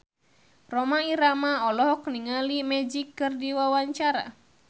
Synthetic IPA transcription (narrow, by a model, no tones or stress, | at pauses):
rɔmaiɾamaɔlɔɦɔk̚niŋalimɛd͡ʒikːɨrdiwawaɲt͡ʃaɾa̰